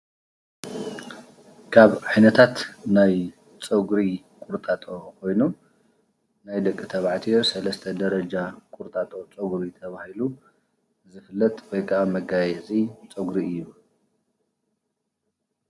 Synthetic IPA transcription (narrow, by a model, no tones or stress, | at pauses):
kʰaβʕajnɐt̪ʰat̪naj | t͡sʼɐɡɾi | kʼuɾt̪ʼat̪ʼokʰo̞jnu | najd̪ɐkʼːit̪ʰɐβʕt̪ʰiosɐlɐst̪ʰɐd̪ɐɾɐd͡ʒakʼuɾt̪ʼat̪ʼo̞t͡sʼɐɡɾit̪ʰɐβahilu | zɨfɨlːɐt̪ʼwojkʰaamɐɡajɛzʼit͡sʼɐɡɾiɨjːu